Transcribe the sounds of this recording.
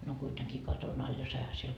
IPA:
no kuiteŋkiː kɑton ɑl jɑ sɑihɑ siel

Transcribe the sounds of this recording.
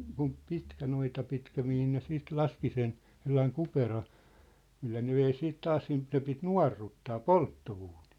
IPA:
kum pitkæ noitɑ pitkæ mihin ne siːt lɑski sen selːɑiŋ kuperɑ milːæ ne ʋei siːt tɑːs siːnt ne pit nuɑ̝rːutːɑː poltːouːni̥ː

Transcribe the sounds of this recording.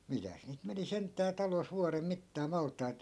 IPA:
mitæs niːt meni sentˑæː tɑlos ʋuɑrem mitːɑː mɑltˑɑit

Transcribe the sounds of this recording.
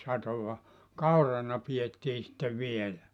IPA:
sɑtoʋɑ kɑurɑnɑ pietːiː sĭtːeʋ ʋielæ

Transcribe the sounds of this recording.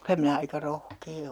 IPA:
kylæ minæ ɑikɑ rohkeː

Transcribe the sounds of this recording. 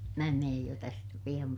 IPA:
mæː meːj jo tæstæ pij̆ɑm

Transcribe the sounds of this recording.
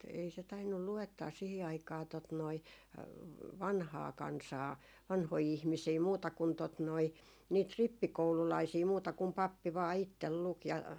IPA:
ei se tɑinːul luetːɑː sihi ɑikɑː tot noi ʋɑnhɑː kɑnsɑː ʋɑnhoi ihmisiː muːtɑ kun tot noi niːt ripːikoululɑisiː muːtɑ kum pɑpːi ʋɑː itːel luk jɑ

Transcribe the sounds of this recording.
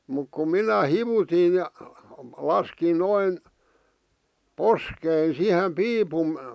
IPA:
muk kum̆ minæ hiʋutin̞ jɑ lɑskin noin poskein sihem piːpum

